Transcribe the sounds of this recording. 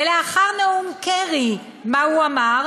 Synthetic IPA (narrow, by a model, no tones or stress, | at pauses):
eleaχaʁnaumkeʁi | mahuamaʁ